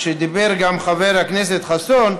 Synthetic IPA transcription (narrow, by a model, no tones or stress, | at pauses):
ʃed̪ibeɾɡamχaveɾhaknes̬et̪χason